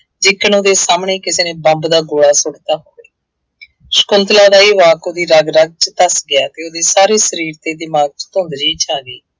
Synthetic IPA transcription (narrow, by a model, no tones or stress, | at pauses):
d͡ʒɪkːənoːd̪eːsaːmɳeːkɪseːneːbəmbd̪aːɡoːɽaːsʊɽt̪aːɦoːɡeː | ʃkʊnt̪laːd̪aːiːʋaːkoːd̪iːɾəɡɾəɡ̚t͡ʃət̪əsɡɪaːt̪eːoːd̪eːsaːɾeːsəɾiːɾt̪eːd̪ɪmaːɡ̚t͡ʃt̪ʊ̃ːnd̪d͡ʒiːt͡ʃaːɡiː